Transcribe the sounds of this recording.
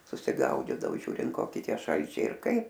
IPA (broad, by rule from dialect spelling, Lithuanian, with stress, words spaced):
sʊsʲɪˈɡɐʊdʲiːdɐoː ˈʒʲuːrʲɪnt ˈkoːkʲɪ ˈtʲiɛ ˈʃɐlʲt͡ʃʲɛɪ ɪr ˈkɐɪp